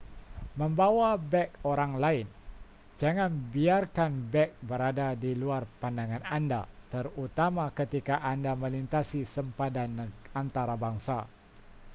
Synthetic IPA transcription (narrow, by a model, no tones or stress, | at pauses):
məmbawabɛkoɾaŋlaɪn | d͡ʒaŋanbiarkanbɛk̚bəɾadadiluarpandaŋananda̰t̪ərut̪amakət̪ikaʔandaməlint̪asisəmpadanant̪aɾabaŋsa